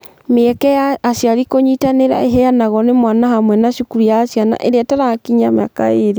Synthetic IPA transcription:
meɛkɛaːʃjaɾikoɲitaneɾa̰eɦɛjanaɣɔnemwanahamwɛnaʃukuɾijaːsjana̰ʔeɾeɛtaɾakiɲamea̰ka̰eɾe

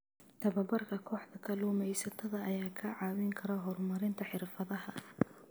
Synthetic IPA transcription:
t̪ʰɐβɐbɐrkʰɐkʰɔːħd̪ɐkʰɐluːmɛjsɐt̪ʰɐðɐɐjaːkʰɐʕɑːwɪŋkʰɐɾɔɦɔrmɐɾɪnt̪ʰɐħɪrfɐðɐɦɐ

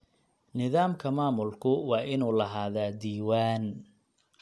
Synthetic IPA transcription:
nɪðaːmkʰɐmaːmʊlkʰʊwɑːʔɪnuːlɐɦaːðaːd̪iːwaːn

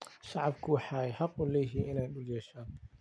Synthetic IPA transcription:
ʃɑʕɑbkʰʊwɑħɑːɛjħɑqʊlɛːjɦiːɪnɛjɗʊljɛːʃaːn

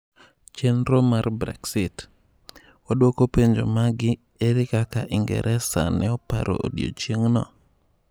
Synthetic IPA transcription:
t͡ʃenɾomarbɾɛ̰ksɪt | wadwokopeɲd͡ʒomaɡɪ | eɾɪkakaʔɪŋɡɛ̰ɾʔɛsa̰nɛɔpa̰ɾo̰o̰djo̰t͡ʃjeŋnɔ̰

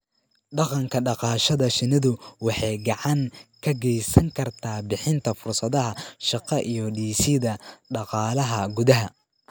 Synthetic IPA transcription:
ɖɑqɑŋkʰɐɖɑqɑːʃɐðɐʃɪnɪðʊwɑħɑjɡɑʕɑŋkʰɐɡɛjsɐŋkʰɐrt̪ʰaːbɪħɪnt̪ʰɐfʊrsɐðɐɦɐʃɑqɑʔijɔɖiːsɪðɐɖɑqɑːlɐɦɐɡʊðɐɦɐ

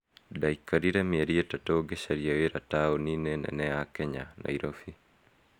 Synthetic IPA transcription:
daikaɾiɾamɪeɾietatoɡeʃaɾiaweɾataoninenɛ̰nɛakɛɲana̰iɾʔofi

